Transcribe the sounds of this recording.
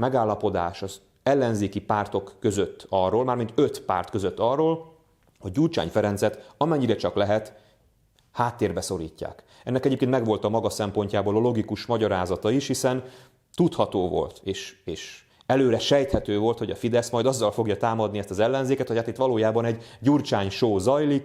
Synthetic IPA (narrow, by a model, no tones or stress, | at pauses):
mɛɡaːlːɒpo̞d̪aːʃɒz | ɛlːɛnzeːkipaːrt̪o̞kːø̞zøt̪ːɒrːoːlmaːrmint̪øt̪pa̰ːrt̪kø̞zøt̪ːɒrːoːl | ho̞ɟ̚ːult͡ʃa̰ːɲfɛɾɛnzɛt̪ɒmɛɲːiɾɛt͡ʃɒklɛɦɛt̪ | haːt̪ːeːrbɛso̞lḭːcːa̰ːk | ɛnːɛkɛɟeːpkeːnmɛɡʋo̞lt̪ɒmɒɡɒsɛmpo̞ɲcaːboːlɒlo̞ɡikuʃmɒɟɒɾaːzɒt̪ɒiʃhisɛn | t̪ut̪hɒt̪oːvo̞̰lt̪eːʃeːʃ | ɛløːɾɛʃɛjt̪hɛt̪øːvo̞lt̪ho̞ɟɒfid̪ɛsmɒjd̪ɒzːɒlfo̞ɡjɒt̪aːmɒd̪niɛst̪ɒzɛlːɛnzeːkɛt̪hochaːt̪it̪ːʋɒloːjaːbɒnɛɟɟurt͡ʃaːɲʃoːzɒjlik